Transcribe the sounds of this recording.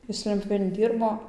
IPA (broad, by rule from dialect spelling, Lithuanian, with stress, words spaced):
ˈjɪs ˈlʲɛnʲtʲpʲjuːʋʲeːn ˈdʲiːrboː